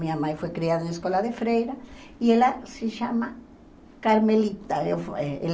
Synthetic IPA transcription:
mĩamajfwekɾiaðaeŋeskwolaðefɾejɾaielaseʃama | kaɾmelit̪aefeel

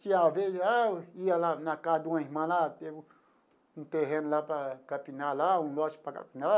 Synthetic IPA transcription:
siaβeaialanãkad̪uãmãlat̪e | ũt̪eɦenlapɾakapinãlaũlaʃpaka̰pina

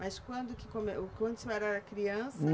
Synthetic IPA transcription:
mɐjskwɐ̃nd̪ʊkɪ̥komekwɐ̃nd̪ʊseɛɾɐɐkɾiɐ̃sɐ

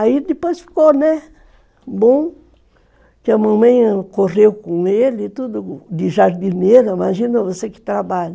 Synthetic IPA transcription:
aid̪eposfi̥konẽ | bõŋ | kamãmẽjakorewkõŋelit̪ud̪ud̪iʒaɾd̪ineɾamaʒinõvoseki̥t̪ɾabaʎ

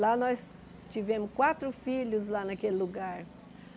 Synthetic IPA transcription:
lanɔs | t͡ʃivẽmʊskwat̪ɾʊfiʎʊzlanɐkelɪluɡaɾ

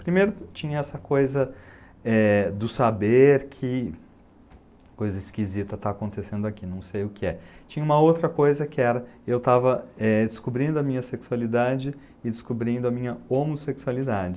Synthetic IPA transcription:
pɾimejɾʊt͡ʃĩɲɐɛsɐkojzɐ | ɛd̪ʊsabeɾkʰɪ | kojzɐiskizit̪ɐt̪aːkõnt̪esẽnd̪ʊakinɐ̃w̃sejʊkɪɛt͡ʃĩɲɐũmɐowt̪ɾɐkojzɐkɪɛɾɐewt̪avɐɛd͡ʒɪskubɾĩnd̪ʊɐmĩɲɐseksualid̪ad͡ʒɪ | ɪd͡ʒɪskubɾĩnd̪ʊɐmĩɲɐomoseksualid̪ad͡ʒɪ

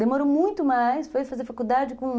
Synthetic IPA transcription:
d̪emoɾomũj̃t̪ʊmajsfojfazeɾfakud̪ad͡ʒɪkõ

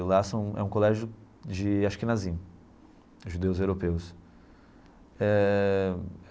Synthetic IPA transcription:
lasɐ̃w̃ɛ̰ũkolɛʒʊ | d͡ʒɪaʃʊ̥kɪnazĩ | ʒud̪ewzewɾopews | ɛ

